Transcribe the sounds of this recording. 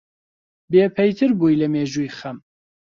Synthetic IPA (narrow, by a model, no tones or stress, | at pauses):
beːpʰɛjt̪ʰɨɾbuːjlɐmeːʒuːjxɐm